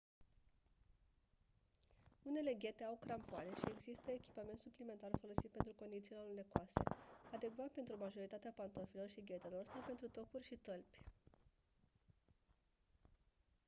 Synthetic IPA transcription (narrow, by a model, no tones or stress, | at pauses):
une̞le̞ɡʲe̞t̪e̞awkɾampoane̞ʃie̞ɡzist̪əekʲi̥pame̞nt̪suplime̞nt̪arfo̞lo̞sit̪̚pe̞nt̪ɾuko̞nd̪it̪silonlekoase̞̰ad̪e̞ɡvat̪pe̞nt̪ɾumaʒo̞ɾit̪at̪eapant̪ofilo̞rʃiɡʲe̞t̪e̞lo̞rsawpe̞nt̪ɾut̪o̞kurʲʃit̪əlpʲ